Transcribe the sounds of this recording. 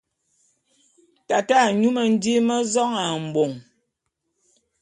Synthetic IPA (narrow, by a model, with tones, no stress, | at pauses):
ta˨ta˦˨ɲu˦mə˨n̩˦di˦mə˦zɔ˦ŋa˨m̩˨bo˨ŋ